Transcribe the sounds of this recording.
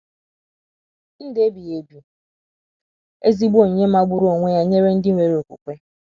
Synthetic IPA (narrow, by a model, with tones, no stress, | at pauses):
n̩˦de˦bi˨je˨bju˨ | e˦zi˦ɡ͡bo˨ɲe˦ma˦ɡ͡bʊ˦ɾo˨ŋʷe˦ja˦ɲe˦ɾe˦n̩˦dɪ˦ŋʷe˨ɾo˨kʷṵ˨kʷe˦